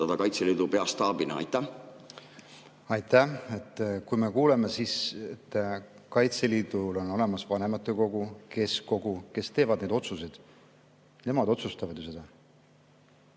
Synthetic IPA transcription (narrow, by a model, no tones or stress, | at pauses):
ɑd̪̥ɑkɑjt̪seliːd̪̥upeɑst̪ɑːbinɑɑ̰jt̪ːˑæ | ɑjt̪æe̞t̪ˑːkujme̞kuːle̞me̞siset̪ː | kɑjt̪seliːd̪̥ulo̞no̞le̞mɑsvɑne̞mɑt̪ːˑeko̞ɡ̥uke̞sko̞ɡuke̞st̪e̞ːvɑd̪ne̞d̪o̞t̪suse̞d̪̥ | ne̞mɑd̪o̞t̪sust̪ɑvɑd̪̥jos̬e̞d̪̥ɑ